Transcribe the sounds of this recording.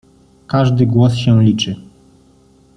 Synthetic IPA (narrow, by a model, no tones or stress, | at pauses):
kaʐd̪ɘɡwɔsɕɛ̃lʲit͡ʂɘ